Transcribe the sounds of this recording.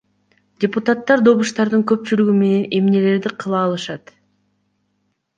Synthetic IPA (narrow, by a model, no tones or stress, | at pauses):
dʲɪput̪at̪ːɑɾd̪o̞βuʃt̪ɑɾd̪ɯŋkø̞p̚t͡ʃylyɡyme̞ne̞ne̞mne̞le̞ɾd̪iqʰɯlˠɑːlˠɯʃɑt̪